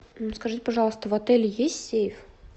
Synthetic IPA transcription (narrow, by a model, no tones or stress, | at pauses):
nuskɐʐɨtʲɪpɐʐɑlˠəst̪əvɐt̪ɛlʲjesʲtʲsʲsʲejɪf